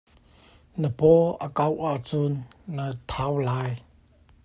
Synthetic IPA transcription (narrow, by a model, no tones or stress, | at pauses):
nəpɔakawʔat͡sunlat̪ʰawlaj